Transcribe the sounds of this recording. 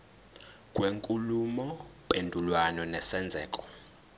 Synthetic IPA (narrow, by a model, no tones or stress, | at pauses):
kʼweŋkʼulumɔpʼendʱulwanɔnɛsɛnd͡zʱɛːkʼɔ̥